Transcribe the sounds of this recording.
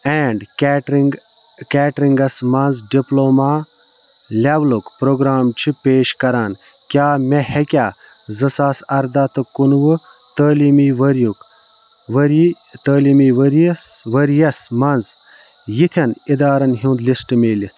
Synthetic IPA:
ɛːɳɖʈi | kɛːʈɾiŋɡɐsmɐnzɖiploːmaː | lʲablukpɾoːɡɾaːmt͡ʃʰipeːʃkɐɾaːn | kʲaːmehekʲaː | zɨsaːsɐɾd̪at̪ɨkunʋɨ | t̪əːlimiʋɐɾjuk | ʋɐɾi | t̪əːlimiʋɐɾs | ʋɐɾjɐsmɐnz | jit̪ʰɐnid̪aːɾɐnɦuːnd̪lisʈmeːli

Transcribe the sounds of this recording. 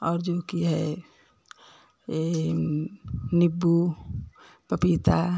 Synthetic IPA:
ɔːɾd͡ʒoːkiɦɛ | nibːu | pəpit̪a

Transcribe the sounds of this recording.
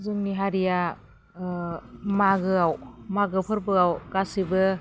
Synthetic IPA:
zɯŋniɦaɾija | maɡɯawmaɡɯpʰɯɾbɯawkasibɯ

